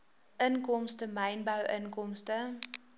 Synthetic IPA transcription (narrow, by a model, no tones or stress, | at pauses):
ʔənkɔmstəməjnbəwʔənkɔmstə